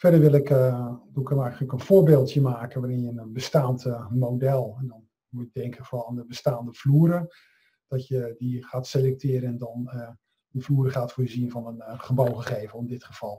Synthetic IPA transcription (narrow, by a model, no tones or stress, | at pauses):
fɛdəɹʋɪlˠɪkdukəmɛjχələkənv̥ʊːɹbeːlˠtjəmaːkənʋaːɾɪnjəənənbəstaːntəmowdɛlˠɛndɔn | mujədɛŋkʰəfrɔlˠandəbəstaːndəv̥luəɾə | d̥ɔtjədiχaːtselɛk̚tɪːɾəɛndɔn | əfluːəɾəχaːtfuːjəzinvɔnənχəbowχəχejvənɔndɪtχəv̥ɑlˠ